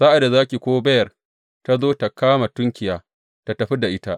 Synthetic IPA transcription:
saː˦ʔa˨da˨zaː˦kʲi˨kʷoː˦bɐ˦jɐ˨r | ta˦zoː˦ta˨kaː˦ma˨tʊ˦ŋkʲɪ˨jaː˨˦ | ta˨tɐ˨ɸi˦da˨ʔɪ˦ta˦ʔ

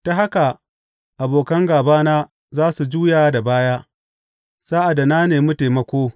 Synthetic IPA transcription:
ta˨ɦa˦ka˨ | ʔa˨boː˨kɐ˦ŋɡaː˨baː˦naː˦ | zaː˦su˨d͡ʒuː˦jaː˨˦da˨baː˦jaː˦ | saː˦ʔa˨da˨naː˦neː˨mʊ˦teː˨mɐ˦kʷoː˦

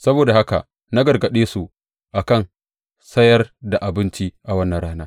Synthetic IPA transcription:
sɐ˦boː˨da˨ha˦ka̰˨ | na˦ɡɐ˨rɡɐ˨ɗeː˦su˨ | ʔa˨kɐ˦˨n | sɐ˦jɐ˦rda˨ʔa˨bɪ˦nt͡ʃi˦ʔa˨wɐ˦nːɐ˨nɽaː˦naː˦

